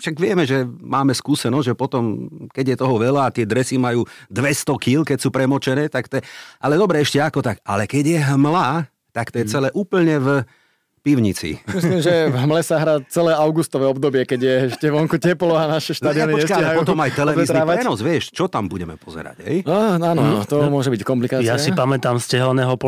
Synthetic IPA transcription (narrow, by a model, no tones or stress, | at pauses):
ʃaɡʋɪɛmɛʒɛmaːmɛskuːsɛnɔzɟʒɛpɔt̪ɔmkɛɟjɛt̪ɔɦɔʋɛlaːt̪ɪɛd̪ɾɛsimajuːd̪ʋɛst̪ɔkilkɛcsuːpɾɛmɔt͡ʃɛnɛːt̪akt̪ɛʔa̰lɛd̪ɔbɾɛɛʃcɛakɔt̪akalɛkɛɟjɛɦmla | t̪akt̪ɔjɛt͡sɛlɛːʔuːpl̩ɲɛv | piʊɲit͡sḭmislimʒɛɦmlɛsaɦɾaːt͡sɛlɛːaʊɡust̪ɔʋɛːɔbd̪ɔbɪɛkɛɟjɛɛʃcɛʋɔŋkucɛplɔanaʃɛʃt̪aːd̪ianiɔɲt͡ʃɛskaalɛpɔt̪ɔmajt̪ɛlɛʋizɾiɛnɔzʋɪɛʃt͡ʃɔt̪ambuɟɛmɛ̰pɔzɛ̰ɾa̰ɟɦɛ̰jaanɔt̪ɔmʊɔʒɛbickɔmplikajasipamɛt̪amscɛɦlɔnɛːɦɔpɔ